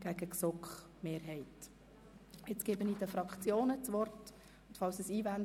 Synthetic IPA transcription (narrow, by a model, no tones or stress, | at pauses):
ɡ̥æɡ̥əksokχ | meːɾɦɛɪt | et͡sɡ̥ebənidəfɾɑkχt͡sjoːnət͡sʋɔrt | ʊnt̪fɑlsəsiːvæn